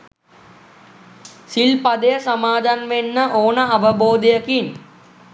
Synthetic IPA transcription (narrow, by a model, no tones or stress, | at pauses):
silpɐd̪ejɐsɐmaːd̪anʋenːəʔoːnəɐʋɐboːd̪ɐjɐkin